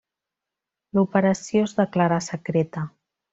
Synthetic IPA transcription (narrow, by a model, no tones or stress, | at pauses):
lupəɾəsjoezðəklaɾasəkɾet̪ə